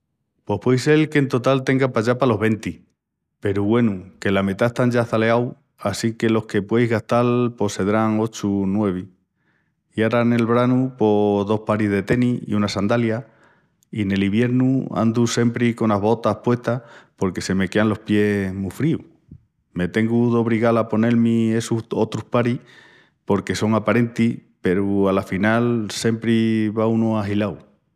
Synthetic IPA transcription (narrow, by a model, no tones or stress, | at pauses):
po̞hpwojse̞lke̞nt̪o̞t̪alt̪e̞ŋɡapaʝapalo̞ɦβe̞nt̪i | pe̞ɾuɣwe̞nuke̞lamet̪aest̪and͡ʒaθale̞aw | asike̞lo̞hke̞pwejzɣast̪alpo̞se̞ðɾaŋo̞t͡ʃunwe̞β̞i | iaɾane̞lβɾanupo̞ðo̞hpaɾizðe̞t̪e̞niḭunasand̪alja | ine̞liβje̞ɾnua̰nd̪use̞mpɾiko̞naɦβo̞t̪ahpwe̞ht̪apo̞ɾke̞se̞me̞ke̞anlo̞hpje̞mufɾiu | me̞t̪e̞ŋɡuðo̞β̞ɾiɣalapo̞ne̞lmie̞suo̞t̪ɾuhpaɾi | po̞ɾke̞so̞ŋapaɾe̞nt̪ipe̞ɾualafinalse̞mpɾiβaunoaɦilaw